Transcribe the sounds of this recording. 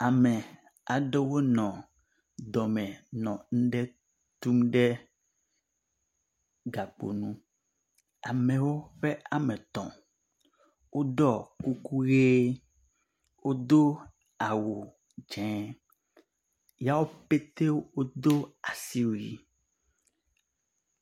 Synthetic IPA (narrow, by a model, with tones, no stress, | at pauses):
a˨mɛ˨ | a˨ɖe˦wo˦nɔ̃˨ | d̪ɔ˨mɛ̃˨nɔ̃˨ŋ̩˦ɖɛ˦ | t̪u˦mɖɛ˦ | ɡa˨k͡po̰˨nũ˦ | a˨mɛ̃˨wo˦ɸɛ˦a˨mɛ̃˨t̪ɔ̰̃˨ | wʔo˦ɖɔ˦ku˦ku˦ɣe˦ | wo˦d̪o˦ | a˨wo˨ | d͡ʒɛ̃˨ | ja˦wo˦pe˦t̪e˦wwo˦d̪o˦a˨si˦wi˨